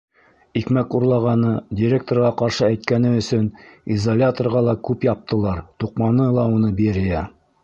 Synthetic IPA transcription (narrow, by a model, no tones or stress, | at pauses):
ikmækuɾlˠɑʁɑnɤdʲiɾʲek̚t̪orʁɑqɑɾʃɤæjt̪̚kænɘɵ̆sɵnizolʲat̪orʁɑlˠɑkʉpjɑp̚t̪ʰɤ̆lˠɑɾt̪uqmɑnɤlˠɑunɤbiɾɘjæ